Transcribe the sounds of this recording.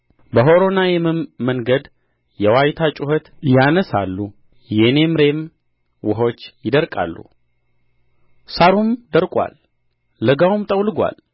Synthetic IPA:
bəɦo̞ɾo̞najɛmɨmːəŋɡəd̪ | jɛwajt̪ʰat͡ʃʼuhət̪janəsa̰lːu | jɛne̞mɨɾe̞m | wʊɦo̞t͡ʃːjɪd̪əɾkʼa̰lːṵ | saɾumd̪əɾkʼwa̰lː | əɡawumt̪ʼəwlɨɡʷa̰l

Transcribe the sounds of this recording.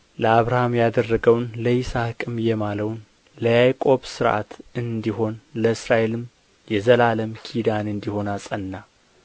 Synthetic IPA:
ləaβɾahamjad̪ərːəɡəwnləɪsakʼɨmjɛmaləwn | ləjajkʼo̞bsɨɾʔa̰t̪ɨnd̪iho̞nləɨsɾaʔe̞lɨm | jɛzəlaləmkʰid̪anɨnd̪iho̞nasʼənːa

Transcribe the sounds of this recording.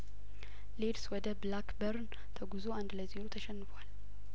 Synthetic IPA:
ledswɔd̪əblakbəɾn | t̪ʰəɡuzoand̪ləzeɾot̪ʰəʃɛnːɨfwal

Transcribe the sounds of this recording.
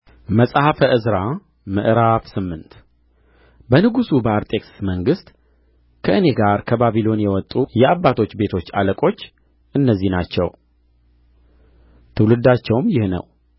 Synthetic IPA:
məsʼhəfəʔɨzɾa | mɨ̰ʔɾafsɨmːɨnt̪ | bənɨɡusubəaɾt̪ʼe̞ksməŋɡɨst̪ | kʰəʔɨne̞ɡaɾkʰəbaβilo̞njɛwɔt̪ʼːujɛabːat̪ʰo̞t͡ʃːbe̞t̪ʰo̞t͡ʃːa̰ləkʼo̞t͡ʃː | ʔɨnːəzːihnat͡ʃːɛ̰w | t̪ʰɨwlɨd̪at͡ʃːɛwmjɪhnə̰w

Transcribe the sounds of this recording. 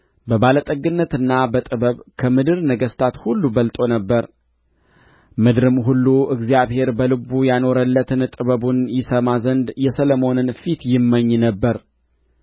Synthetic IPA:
bəbalət̪ʼəɡɨnːət̪ɨnːabət̪ʼɨβəβkʰəmɨd̪ɨɾnəɡəst̪ʰat̪hulːubəlt̪ʼo̞nəbːəɾ | mɨd̪ɾɨmɦulːuʔɨɡzijaβhe̞ɾbəlɨbujano̞ɾəlːət̪ʰɨnt̪ʼɨβəβunjɪsəmazənd̪jɛsələmo̞nɨnfit̪jɪmːəɲːnəbːəɾ

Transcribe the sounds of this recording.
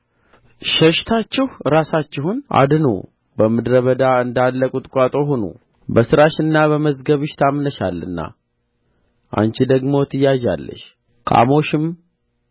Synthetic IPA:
ʃəʃt̪ʰat͡ʃːɪhɾasat͡ʃːɪhunʔa̰d̪ɨno̰ | bəmɨd̪ɾəβəd̪aɨnd̪alːəkʼut̪ʼkʷʼat̪ʼo̞ɦonṵ | bəsɨɾaʃɨnːaβəməzɡəβɨʃt̪ʰamnəʃa̰lːɨ̰nːa̰ | ʔa̰nt͡ʃid̪əɡmot̪ʰɨjːaʒa̰lːə̰ʃ | kʰa̰mo̞ʃɪm

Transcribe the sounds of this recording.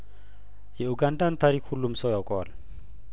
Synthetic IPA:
jɛuɡandant̪aɾikʰulumsɔjakʼɔla

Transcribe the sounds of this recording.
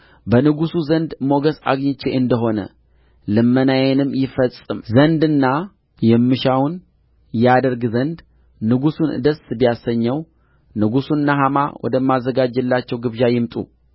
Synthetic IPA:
bənɨɡusuzənd̪mo̞ɡəsa̰ɡɲɪt͡ʃːeʔɨnd̪əɦo̞nə̰ | lɨmːənajɛnɨmːjɪfəsʼɨmzənd̪ɨnːa | jɛmːɨʃawn | jɛad̪əɾɡzənd̪ | nɨɡusunɨd̪əsbijasːəɲːɛw | nɨɡusuɨnːaɦama̰wɔ̰d̪əmːazːəɡad͡ʒːɨlːat͡ʃːɛwɡɨβʒajɪmt̪ʼṵ

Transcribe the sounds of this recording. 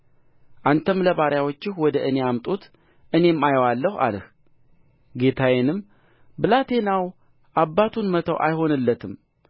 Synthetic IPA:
ʔant̪ʰəmləβaɾjawot͡ʃːɪhwɔd̪əʔɨne̞amt̪ʼut̪ | ʔɨne̞mːajəwalːəha̰lɨh | ɡe̞t̪ʰawenɨmː | bɨlat̪ʰe̞naw | ʔabːat̪ʰunmət̪ʰəwʔa̰jho̞nɨlːət̪ʰɨm

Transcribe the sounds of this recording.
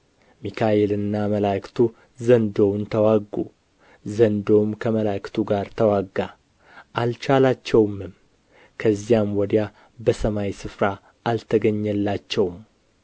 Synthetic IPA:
mikʰaelɨnːaməlakt̪ʰu | zənd̪o̞wnt̪ʰəwaɡːu | zənd̪o̞mkʰəməlakɨ̥t̪ʰuɡaɾt̪ʰəwaɡːa | ʔalt͡ʃalat͡ʃːɛwmɨm | kʰəzːijamwɔd̪ja | bəsəmajsɨfɾa | ʔalt̪ʰəɡəɲːɛlːat͡ʃːɛwm

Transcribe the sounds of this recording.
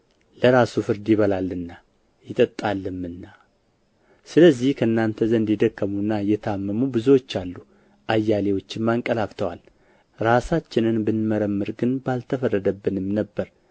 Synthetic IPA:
ləɾasufɨɾd̪iβəlalːɨnːa | jɪt̪ʼət̪ʼːalːɨmɨnːa | sɨləzːihkʰəɨnːant̪ʰəzənd̪jɪd̪əkːəmunːajɛt̪ʰəamːəmubɨzuwo̞t͡ʃːalːu | ʔajːalewo̞t͡ʃːɪmmaŋkʼəlaft̪ʰəwal | ɾasat͡ʃːɪnɨnbɨnməɾəmːɨɾɡɨnbalt̪ʰəfərːəd̪əbːɨnɨmnəbːəɾ

